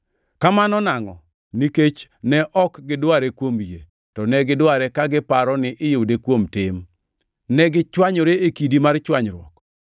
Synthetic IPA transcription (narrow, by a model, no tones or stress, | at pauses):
kamanɔnaŋɔ̰ | niket͡ʃnɛʔɔkɡɪdwaɾekwomje | tɔnɛɡɪdwaɾɛkaɡɪpaɾɔnɪʔɪjowdekwomtɪm | nɛɡɪt͡ʃwaɲoɾeekidimart͡ʃwaɲɾwɔ̰k